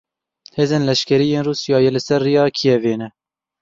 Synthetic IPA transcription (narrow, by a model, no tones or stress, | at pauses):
heːzeːnlɛʃkʰɛɾijeːnruːsijɑːjɛlɨsɛrːijɑːkʰijɛveːnɛ